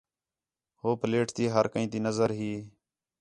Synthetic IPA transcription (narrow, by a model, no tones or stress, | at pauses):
hoːpəleːʈt̪iːɦəɾkəĩːt̪iːnəzəɾɦiː